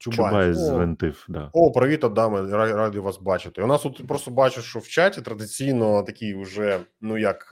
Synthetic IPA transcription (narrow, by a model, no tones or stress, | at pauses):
t͡ʃʲubbɑjɛzʋent̪ɪfd̪ɑ̰opɾɐʋʲit̪ɐd̪ɑmɪraradʲɪʋɑsbɑt͡ʃɪt̪ɪʊnɑst̪ut̪pɾost̪ɔbɑt͡ʃɪʃt͡ʃɔwt͡ʃatʲit̪ɾɐd̪ɪt͡sʲijnɔt̪ɐkʲijʊʒɛnujɐk